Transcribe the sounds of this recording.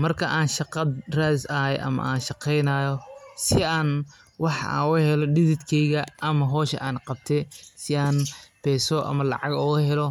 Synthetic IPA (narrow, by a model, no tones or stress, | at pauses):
mɐrkʰɐʔaːnʃɑqɐd̪raːsɐɦɛjʔɐ̰mɐ̰ʔaːnʃɑqɛjnaːjɔsɪaːn | wɑħa̰whɛlɔɖɪðɪd̪kʰɛjɣɐʔɐmɐɦɔːʃɐ̰ʔaːnqɑb̚t̪ʰɛsɪaːnbɛːsɔʔɐ̰mɐlɑ̰ʕɑɡɔːɣɐɦɛlɔ